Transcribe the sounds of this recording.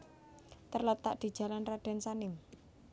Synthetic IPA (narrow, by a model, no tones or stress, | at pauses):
t̪ərlət̪ːa̰ʔd̪̥i̤d̥ʒ̥a̤lanraɖ̥a̤nsanɪm